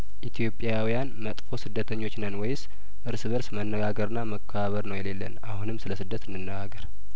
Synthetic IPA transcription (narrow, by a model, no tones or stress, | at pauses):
ʔit̪ʰijo̞pʼjawijanmət̪ʼfo̞sɨd̪ːət̪ʰəɲːo̞t͡ʃːnənwɔjɪs | ʔɨɾsɨβəɾsmənːəɡaɡəɾɨnːaməkʰːəβaβəɾnəwjɛle̞lːə̰nʔahunɨmːsɨləsɨd̪ːət̪ɨnːɨnːəɡaɡəɾ